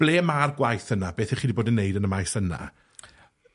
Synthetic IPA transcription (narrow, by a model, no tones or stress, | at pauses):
b̥leːmarɡwajθənabeːθɛχiːdiboːdənːejdənəmajθəna̰